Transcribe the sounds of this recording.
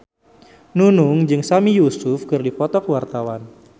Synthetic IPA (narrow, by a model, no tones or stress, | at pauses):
nunuŋd͡ʒɨŋsamijusʊfkɨrdipɔt̪ɔkwart̪awan